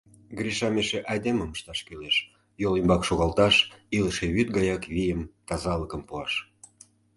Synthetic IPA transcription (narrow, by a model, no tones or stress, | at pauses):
ɡɾiʃɑmeʃeʔɑjd̪eməməʃt̪ɑʃkøleʃ | jolimbɑkʃoɣɑlt̪ɑʃiləʃeβyt̪ɡɑjɑkβijəmt̪ɑzɑləkəmpuɑʃ